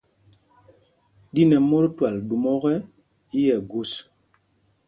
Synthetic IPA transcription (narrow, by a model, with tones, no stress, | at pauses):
di˦nɛ˨mo˦ɾtwa˨ldu˨mɔ˦ɣɛ˦ | i˦jɛ˨ɡu˦˨s